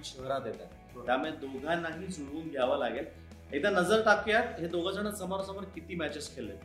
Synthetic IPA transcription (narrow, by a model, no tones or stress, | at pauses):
ɕəɦɾat̪et̪a̰ | t̪jaməɭed̪oɡʱanaɦiːd͡zuɾʋuːŋɡjaʋalaɡel | et̪anəd͡zəɾt̪akjat̪ɦed̪oɡʱəd͡zəɳ̃əsəmaɾsəməɾkit̪iːmæt͡ɕeskʰelːḛ